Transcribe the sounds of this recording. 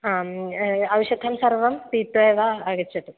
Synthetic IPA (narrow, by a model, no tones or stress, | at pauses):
a | ɐwɕɐd̪ʱɐmsɐrʋɐmpiːt̪ʋɐːʋaɐɡɐt͡ɕːɐʈu